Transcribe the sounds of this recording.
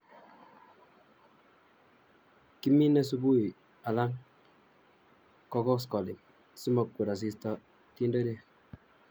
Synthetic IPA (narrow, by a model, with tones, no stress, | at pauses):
ki˦mːi˦ne˦s̬u˦bu˦i˨ | a˨la˦ŋ | kɔ˦kɔ˦s̬kɔ˨li˨m | si˦mɔ˨kkːu˨ɾa˨s̬i˦stɔ˦ | ti˦n˦dɔ˦ɾe˦˨